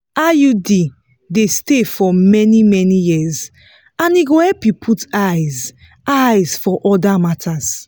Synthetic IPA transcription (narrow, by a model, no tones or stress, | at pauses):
ajudi | destefɔmɛnimɛnijiz | ãniɡohɛpipʰutajz | ajzfɔʔɔdamatʰaz̥